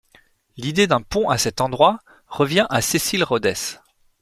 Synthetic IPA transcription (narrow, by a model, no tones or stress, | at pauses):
lid̪ed̪ɛ̃pɔ̃ʔasɛt̪ɑ̃d̪ʁwa | ʁəvjɛ̃ʔasesilʁod̪ɛs